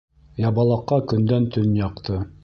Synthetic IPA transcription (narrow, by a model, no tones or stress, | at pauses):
jɑbɑlˠɑqːɑkɵ̆nd̪ænt̪ɵnjɑqt̪ɤ